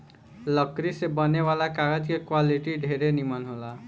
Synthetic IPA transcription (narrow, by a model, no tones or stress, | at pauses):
ləkɾisebəneʋalakaɡəd͡ʒkekwaliʈiɖʱeɾenimənɦola